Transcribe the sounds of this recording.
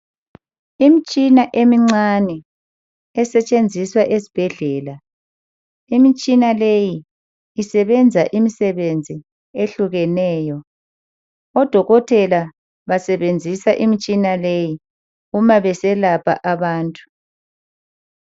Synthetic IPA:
imit͡ʃʼinaʔemiŋ͡ǀanɛ | ɛsɛt͡ʃʼend͡zʱiswaʔesi̥b̥ʱɛɮɛːla | imit͡ʃʼinalejiː | sɛβɛnd͡zʱaʔimisɛβend͡zʱi | eɬuɣɛnɛːjɔ | ɔd̥ʱɔɣɔtʰɛla | βasɛβend͡zʱisaʔimit͡ʃʼinaleji | umaβɛsɛlapʰa̰ʔaβaːntʼu̥

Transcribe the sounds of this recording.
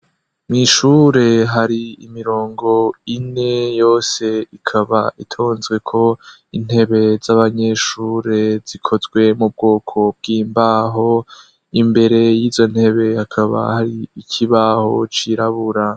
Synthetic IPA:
miʃuɾe̞ɦaɾiimiɾo̞ːŋɡo̞ine̞jo̞ːse̞ikʰaβaʔitʰoːnzɡwe̞kʰo̞ | in̥he̞βe̞zaβaɲe̞ʃuːɾe̞z̥ikʰo̞zɡwe̞mub̚ɡo̞ːkʰo̞b̚ɡiːmbaɦo̞ | imbe̞ɾe̞jiːzo̞n̥he̞βe̞hakʰaβa̰haɾiicʰiβaho̞t͡ʃiɾaβuɾa

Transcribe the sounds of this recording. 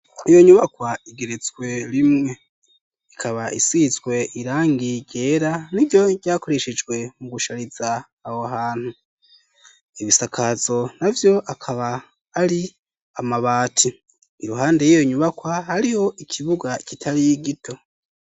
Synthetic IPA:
ijo̞ɲuβakwaiɡe̞ɾezɡwe̞ɾimŋe̞ | ikʰaβaʔisizɡwe̞ʔiɾaːŋɡiɾɟe̞ːɾaniɟo̞ɟaːko̞ɾe̞ʃe̞d͡ʒɡwe̞muɡuʃaɾizaː | hoaɦaːn̥hu | iβisakʰazo̞navjo̞ʔakʰaβaː | ɾi | amaβaːtʰi | iɾuɦaːnde̞jijo̞ɲuβakwahaɾiho̞ʔikʰiβuɡakitʰaɾiɡitʰo̞

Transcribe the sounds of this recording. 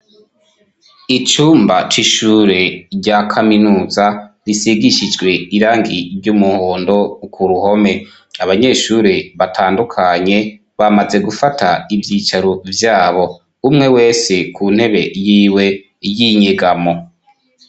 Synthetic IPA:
it͡ʃuːmbat͡ʃiʃuːɾe̞ɟakʰaminuːzaɾisiɡiʃid͡ʒɡwe̞iɾaːŋɡiɾɟumuho̞ːndo̞kuɾuho̞me̞ | aβaɲe̞ːʃuːɾeβatʰaːndukʰaɲe̞ | βamaze̞ɡufatʰaivjiːt͡ʃaɾovjaːβo̞ | umŋe̞we̞ːse̞kʰuːn̥he̞βe̞̰jiːwe̞ | jiɲeɡamo̞

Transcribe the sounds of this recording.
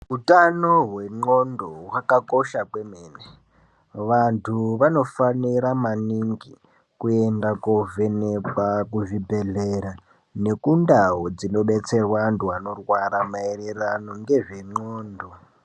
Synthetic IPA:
ɦutanoɦwe̞ŋ͡ǀondoɦwakako̞ʃakwemeːne | ʋantʰuʋano̞faniɾamaniŋɡi | kuendakovenekwakuʐibʱe̞ɮeɾa | ne̞kundaɦod͡zino̞ɓe̞t͡se̞rwantʰuano̞rwaɾamaererano̞ŋɡe̞ʐe̞ŋ͡ǃoːndo

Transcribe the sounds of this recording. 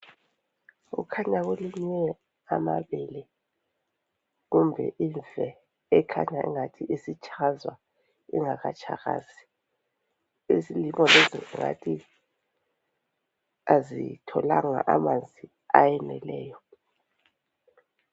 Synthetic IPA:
ṵkʰaɲaɣweliɲɛ | amaβɛlɛ | ɣumbʱɛ̰ʔiɱvɛ | ɛkʰa̰ɲaʔḭŋatʰiʔisit͡ʃʰʼazwa | iŋaɣat͡ʃʰʼaɣa̰ːzi | ezilimɔleziŋa̰tʰi | azitʰɔlaŋa̰ʔamand͡zʱi | ajɛnɛlɛːjɔ

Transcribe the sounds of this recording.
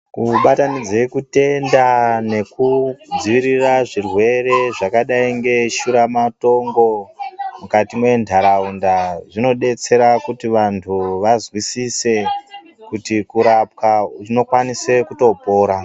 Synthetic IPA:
kuɓatanid͡zekute̞ndane̞kud͡ziʋiɾiraʐirwe̞ɾe̞ʐakaɗaiŋɡe̞ʃuɾamato̞ŋɡo̞mukatimwe̞ndʱaɾaundaʐino̞ɗe̞t͡se̞ɾakutiʋantʰuʋazwisise̞ | kutikuɾap̚kaʐino̞kwanise̞kuto̞po̞ːɾa

